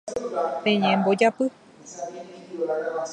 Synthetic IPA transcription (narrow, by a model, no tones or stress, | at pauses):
pẽɲẽmbod͡ʒapɨ